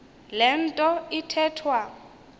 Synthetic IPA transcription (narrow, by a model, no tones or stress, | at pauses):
lɛn̩tʼɔitʰɛːtʰwa